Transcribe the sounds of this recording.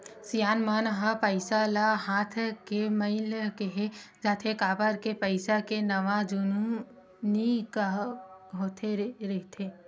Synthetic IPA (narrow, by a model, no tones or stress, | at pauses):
sijaːnmaːnɦapəɪsalaɦaːt̪ʰkeməɪlkeɦed͡ʒaːt̪ʰekaːbəɾkepəɪsakenɐʋad͡ʒunu | nikaɦoːt̪ʰeɾɛɦt̪ʰeː